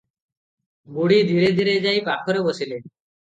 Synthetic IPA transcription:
ɡuɽid̪ʱiɾed̪ʱiɾed͡ʑajpakʰoɾebosile

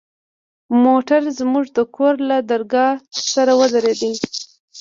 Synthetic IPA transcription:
moʈaɾzmuʐd̪əkʰoɾlad̪aɾɡɑsaɾawəd̪aɾed̪i

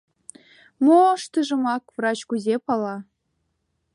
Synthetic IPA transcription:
moʂt̪ɯʐɤ̆mɑkvrɑt͡ɕkuzʲepɑlˠɑ

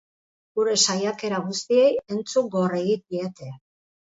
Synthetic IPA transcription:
ɡuɾe̞sajake̞ɾaɣust̪ie̞je̞nt͡suŋɡo̞reɣik̚iet̪e̞

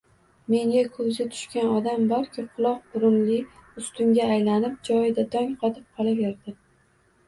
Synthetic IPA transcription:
me̞ŋʲakʰɵzɡʲat̪ʰʊ̥ʃkʲanɒd̪ambɒɾkʲʰɪqʰʊlˠɒq̚bʊɾʊnlɪʊst̪ʊŋɡʲaːjlanɪp̚d͡ʒɒjɪd̪ad̪ɒŋqʰɒt̪ʰɪp̚qʰɒlˠabe̞ɾd̪ɪ

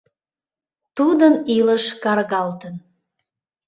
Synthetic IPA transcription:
t̪ud̪əniləʃkɑrɣɑlt̪ən

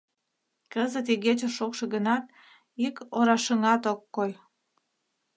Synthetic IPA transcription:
kəzət̪̬iɣet͡ɕeʃokʃĕɣənɑt̪̚ | ikoɾɑʃəŋɑt̪okːoj

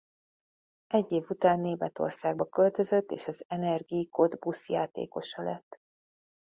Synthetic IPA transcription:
ʔɛɟːeːvut̪aːnːeːmɛt̪o̞̰rsaːɡbɒkø̞lt̪ø̞zø̞t̪ːḛːʃɒzɛnɛrɡiko̞d̪busjaːt̪ḛːko̞ʃɒlɛt̪ː

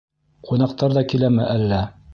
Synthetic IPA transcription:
qʰunɑq̚t̪ɑɾðɑkilæmɘʔælːæ

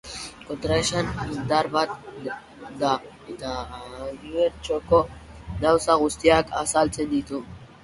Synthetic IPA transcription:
kot̪ɾaʃanind̪aɾbat̪ | d̪a | et̪a | iβeɾt͡ʃoko | d̪awsaɣust̪iakʰa̰salt͡sʰend̪it̪u

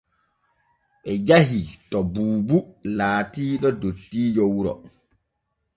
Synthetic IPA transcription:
ɓɛd͡ʒaɦitɔbuːbulaːtiːɗɔdotːiːd͡ʒɔwuɾɔ̰

